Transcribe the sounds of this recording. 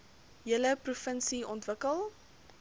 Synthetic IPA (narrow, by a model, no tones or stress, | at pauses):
jələprufənsiɔntvəkəlˠ